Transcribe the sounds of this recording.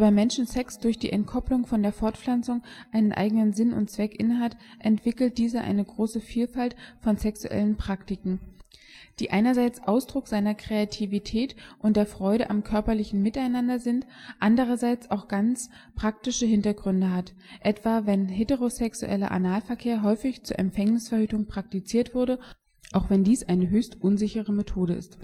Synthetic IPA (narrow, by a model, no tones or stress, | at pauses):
baɪmɛnʃn̩sɛksd̥ʊɐçd̥ḭːʔɛnt̚kʰɔplʊŋfɔndeːɐfɔɐtflant͡sʊŋʔaɪnənʔa̰ɪɡənənzɪnʊ̰ntt͡sv̥ɛkʔɪnəɦatʔɛntv̥ɪkl̩t̚d̥iːzəʔa̰ɪnəɡʁoːsəfiːlfaltfɔnsɛksuʔɛ̰lənpʁ̥aktɪkŋ̩ | d̥iːʔaɪnɐzaɪt͡sʔaʊsd̥ʁʊkz̥aɪnɐkʁ̥eatʰivitʰɛːtʔʊntd̥eːɐfʁ̥ɔʏɾəʔamkʰœɐpɐlɪçn̩mɪtaɪnandɐzɪntʔandəʁɐzaɪt͡saʊxɡ̥ant͡s | pʁ̥ak̚tɪʃəhɪntɐɡʁʏndəɦat | ʔɛtv̥aːvɛnɦeːtəʁozɛksṵʔɛ̰lɐ̰ʔa̰naːlfɛɐkʰeːɐɦɔʏfɪçt͡suːɐʔɛ̰mfɛŋnɪsfɛɐhyːtʊŋpʁ̥ak̚tit͡siːɐtv̥ʊɐdə | ʔaʊxv̥ɛndiːsʔaɪnəɦøːçstʔʊnzɪçəʁ̞əmetʰoːɾəɪ̰st